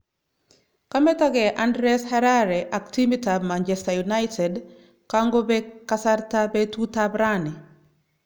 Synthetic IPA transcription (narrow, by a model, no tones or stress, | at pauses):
kɐmɛtaɡɛʔandɾeshaɾaɾɛʔaktimitabmant͡ʃɛstajunajtɛd | kaŋɡobɛkasaɾtabɛtutabɾani